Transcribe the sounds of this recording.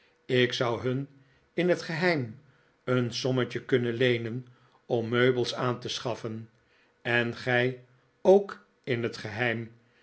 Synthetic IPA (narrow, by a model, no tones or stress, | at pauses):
ɪksʌwɦɵn | ɪnɦətχəɦɛjm | ənsɔmət͡ʃəkɵnənlejnən | ɔmːøɥbəlˠsaːntəsχɑfən | ɛnχɛj | owk | ɪnɦətχəɦɛjm